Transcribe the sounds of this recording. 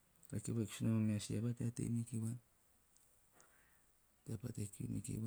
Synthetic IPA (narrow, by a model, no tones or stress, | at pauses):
ɾakiβaksunamameasiabateatḛjmikiβa | teapatekṵmḭkḭba